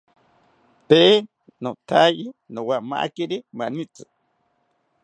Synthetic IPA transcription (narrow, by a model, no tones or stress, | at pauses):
t̪e | nõt̪ʰajinõwama̰ʔa̰keɾimanĩt͡sɨ